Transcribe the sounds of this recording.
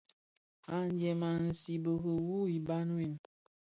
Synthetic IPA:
a˨nd͡ʒɛ˨ma˨n̩˨si˨bə˨ɣə˨wu˦i˨ba˦n˦i˦˨n

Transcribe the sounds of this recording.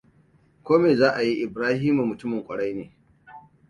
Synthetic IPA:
kʷoː˦meː˨zaː˦ʔa˨ji˦ʔɪ˨bɾaː˦hiː˦mu˨mʊ˨tʊ˦mɪ˨ŋkʷʼɐ˨ɽa˦jneː˨

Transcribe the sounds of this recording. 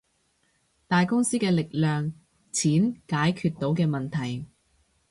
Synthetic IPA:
t̪aː˨jkʊ˥ŋsiː˥kɛː˧lɪ˨k̚lœː˨ŋ | t͡sʰiː˨˥nkaː˨˥jkʰyː˧t̪̚ːo˨˥wkɛː˧mɐ˨nt̪ʰɐ˨˩j

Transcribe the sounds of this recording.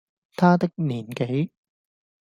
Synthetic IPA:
t̪ʰaː˥t̪ɪ˥k̚niː˨˩nke˨˥j

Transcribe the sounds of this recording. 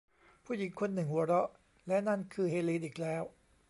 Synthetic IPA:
pʰuː˥˩ji˨˩˦ŋkʰo˧nːɯ˨˩ŋhu˨˩˦ɐɾɔ˦˥ʔ | lɛ˦˥na˥˩nkʰɯː˧heː˧liː˧t̪ʔiː˨˩k̚lɛː˦˥w

